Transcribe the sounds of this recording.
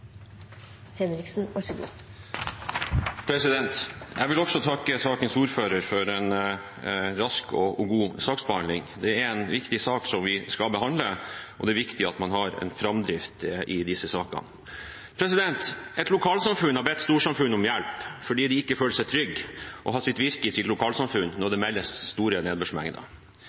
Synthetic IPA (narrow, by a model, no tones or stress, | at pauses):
hɛnɾɪksn̩ɑʂɔɡṵː | pʰɾɛsɪd̪ɛnt̪ʔɛʋɪlɔksɔt̪ʰɑkːəsɑːkənsuːɾføːɾəɾfɔɾɛn | ɾɑskɔ̰ɔɡuːsɑːksbəhɑnlɪ̰ŋd̪ɛæɾɛnʋɪkt̪ɪsɑːksɔmʋɪskɑlbəhɑnd̪ləʔɔ̰d̪ɛːɾʋɪkt̪ɪɑt̪mɑnɦɑɾɛ̰nfɾɑmd̪ɾɪft̪ʔɪd̪ɪsəsɑːkɑ̰n | pʰɾɛsɪd̪ɛnt̪ɛt̪lʊkʰɑːlsɑmfʉnhɑɾbɛt̪ːst̪uːʂɑmfʉnːɔmjælpfɔɖiːd̪ɪɪkːəføːləsɛɪt̪ʰɾʏɡːʔɔ̰ɦɑːsɪt̪ʋɪɾkət̪ʰɪlːʊkʰɑːlsɑmfʉnːnɔɖ̪ɛmɛlːəsst̪uːɾəneːd̪bʉʂmɛ̰ŋd̪ə̰